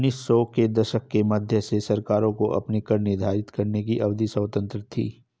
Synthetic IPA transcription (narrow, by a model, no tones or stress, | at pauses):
nːiːsːɔːked̪ɐʃəkːemɐd̪ʱjəsesɐɾkaːɾõkoʔɐ̰pnikɐɾnɪɾd̪ʱaːɾɪt̪kɐɾnek̬iʔɐʋd̪isəːt̪ə̃nt̪ɾət̪ʰḭː